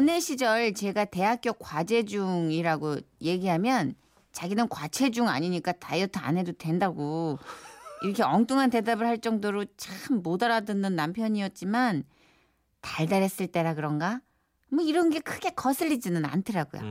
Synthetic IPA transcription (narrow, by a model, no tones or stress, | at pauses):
ʌne̞ɕʰid͡ʑʌɭt͡ɕe̞ɡate̞ɦak͈jokwad͡ʑe̞d͡ʑuŋiɾaɡoje̞ɡiɦamjʌn | t͡ɕaɡinɯnkwat͡ɕʰe̞d͡ʑuŋa̰ɲiɲik͈atajʌtʰa̰nɦe̞dodwe̞ndaɡo | iɾʌkʰe̞ʌŋt͈ʰuŋɦante̞dabɯɭhaɭt͡ɕ͈ʌŋdoɾot͡ɕaxɯmːodaɾadɯnːɯnːampʰjʌɲiʌt̚t͡ɕ͈iman | taɭdaɾes͈ɯɭt͈e̞ɾak̬ɯɾʌnɡa | mʌiɾʌnɡe̞kʰɯɡe̞kʌsʰɯʎːid͡ʑinɯna̰ntʰɯɾaɡo̰jo̰